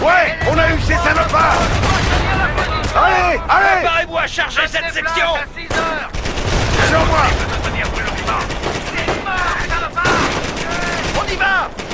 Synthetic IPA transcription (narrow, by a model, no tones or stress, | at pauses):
wɛɔ̃naysesanɔpa | aealepaʁevuaʃaʁʒesɛt̪sɛksjɔ̃ | alɔʁmwaəniapɛlɔ̃niva | p | ɔ̃niva